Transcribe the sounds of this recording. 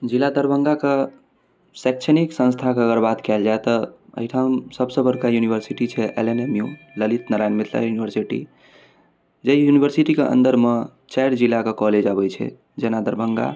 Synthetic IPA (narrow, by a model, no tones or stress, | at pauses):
d͡ʒilad̪əɾbəŋɡake | sɛk̚t͡ʃʰəniksə̃nst̪ʰakeəɡəɾbat̪kɛld͡ʒaet̪ɔə̰ɦiʈʰamsəbsə̃bəɾkajunibəɾsiʈit͡ʃʰɛʔelenemju | ləlit̪nəɾajnmet̪ʰla̰junibəɾsiʈḭ | d͡ʒeijunibʱəɾsiʈikeʔə̰̃nd̪əɾme | t͡ʃajɾd͡ʒilːakekɔled͡ʒabɛt͡ʃʰɛ̰ | d͡ʒenad̪əɾbəŋɡa̰